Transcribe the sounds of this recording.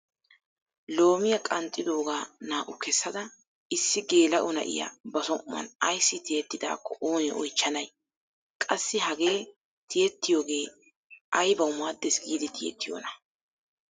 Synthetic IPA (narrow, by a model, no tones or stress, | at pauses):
lo̞ːmɪjɐkʼɐnt̪ʼːɪd̪o̞ːɡaːnaːʔʊkʰɛsːɐd̪ɐ | ɪsːɪɡe̞ːlɐʔʊnɐ̰ʔɪ̰jɐ̰bɐsɔmmɐ̰nɐjsːɪt̪ɪjɛt̪ːɪd̪a̰ːkːɔʔoːnɛʔɔjt͡ʃːɐnɐj | kʼɐsːɪɦɐɡe̞ː | t̪ʰɪjɛt̪ːɪjoːɡe̞ː | ʔɐjbɐwmaːd̪ːɛsɡiːd̪ɪt̪ʰɪjɛ̰t̪ːɪjo̰ːnɐ